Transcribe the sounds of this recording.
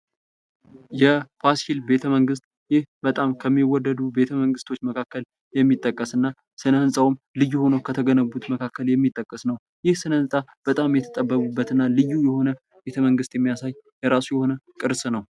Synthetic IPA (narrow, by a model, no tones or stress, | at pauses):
jɛpʰasilbe̞t̪ʰəməŋɡɨst̪̚ | jɪhbət̪ʼamkʰəmːiwɔd̪ːəd̪ube̞t̪ʰəməŋɡɨst̪ʰo̞t͡ʃːməkʰakːəl | jɛmːit̪ʼːəkʼːəsɨnːa | sɨnəhɨnsʼawm | lɨjːuho̞nəwkʰət̪ʰəɡənəbut̪məkʰakʰːəljɛmːit̪ʼːəkʼːəsnəw | jɪhsɨnəhɨnsʼab̥ət̪ʼamjɛt̪ʰət̪ʼəbːəβubːət̪ɨnːalɨjːujɛho̞nə | be̞t̪ʰəməŋɡɨst̪jɛmːijasajjɛɾasujɛho̞nəkʼɨɾsʼnəw